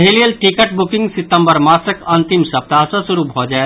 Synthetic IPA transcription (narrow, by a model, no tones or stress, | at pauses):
elijəlʈikəʈbʊkɪ̃ŋɡsɪt̪ːə̃mbəɾmaːsəkɐ̃nt̪ɪmsɐp̚t̪asɐsʊɾubʱɦod͡ʒa